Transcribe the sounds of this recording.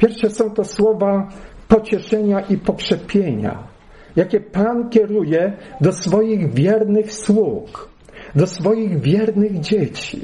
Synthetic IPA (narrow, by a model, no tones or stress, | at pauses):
pʲjɛɾfʂɛsɔ̃w̃t̪ɔswɔvapɔt͡ɕɛʂɛɲaʔipɔkʂɛpʲjeɲa̰ | jakʲɛpankʲɛɾujɛd̪ɔsfɔjiɣvʲjɛɾnɘxswux | d̪ɔsfɔjiɣvʲjɛɾnɘɣd͡ʑet͡ɕḭ